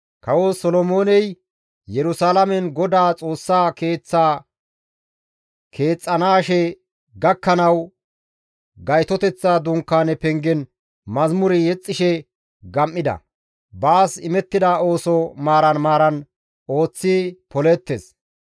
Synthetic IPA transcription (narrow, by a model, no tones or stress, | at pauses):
kɐwoːsɔlɔmo̞ːnɛj | jɛɾʊsaːlɐmɛnɡɔd̪aːt͡sʼo̞ːsːaːke̞ːt͡sːaː | kʰe̞ːt͡sʼːɐnaːʃɛ | ɡɐkːɐnɐw | ɡɐjt̪ɔt̪ɛt͡sːaːd̪ʊŋkːaːnɛpɛŋɡɛn | mɐzmʊɾɪjɛt͡sʼːɪʃɛ | ɡɐmːɪd̪ɐ̰ | baːsɪmɛt̪ːɪd̪aːo̞ːsɔmaːɾɐnmaːɾɐn | o̞ːt͡sːipɔlɛt̪ːes